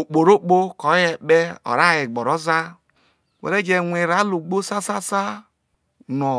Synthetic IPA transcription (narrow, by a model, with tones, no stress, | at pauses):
o˨k͡po˨ɾo˦k͡po˦kɔ˨˦je˦ɓe˦ɔ̰˨ɾa˦˨je˨ɡ͡bɔ˨ɾɔ˦za˦ | wḛ˨ɾe˦d͡ʒe˨ŋʷe˨ɾa˨˦lu˨ɡ͡bo˦sa˦sa˦sa˦ | nɔ˨